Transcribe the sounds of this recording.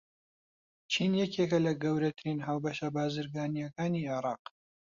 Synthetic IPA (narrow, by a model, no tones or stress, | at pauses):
t͡ʃʰiːnjɛkekɐlɐɡɐwɾɐt̪ʰɨɾiːnɦaːwbɐʃɐbaːzɨɾɡaːnijɐkaːniːʕɪɾɑːq